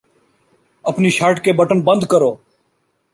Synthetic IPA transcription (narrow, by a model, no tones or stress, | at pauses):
əpniːʃaːʈkeːbəʈənbənd̪kəɾoː